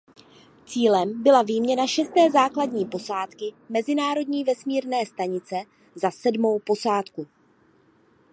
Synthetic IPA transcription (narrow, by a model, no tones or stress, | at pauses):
t͡siːlɛmbɪlavijmɲɛnaʃɛst̪ɛːzaːkladɲiːpo̞saːt̪kɪmɛzɪnaːɾo̞dɲiːvɛsmiːɾnɛːst̪aɲɪt͡sɛ | zasɛdmo̞wpo̞saːt̪ku